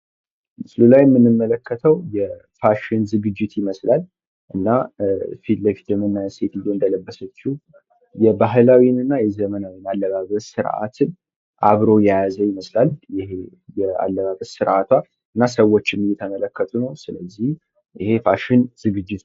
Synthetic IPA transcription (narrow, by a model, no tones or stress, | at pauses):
mɨslulajɛmːɨnːɨmːələkːət̪ʰəwjɛfaʃɪnzɨɡɨd͡ʒːɪt̪jɪməslal | ʔɨnːafit̪ləfit̪ʰɨmɨnːajɛset̪ʰd̪oɨnd̪ələbːəsət͡ʃːu | jɛbaɦɨlawinɨnːajɛzəmənawinalːəβaβəsɨɾʔa̰t̪ʰɨn | ʔaβɾo̞jajazəjɪməslaljɪhe | jɛa̰lːəβaβəsɨɾʔat̪ʰwa | ɨnːasəwːo̞t͡ʃːɪmjɛt̪ʰəmələkːət̪ʰunəwsɨləzːih | jɪhe̞faʃɪnz̥ɨɡɨd͡ʒːɪt̪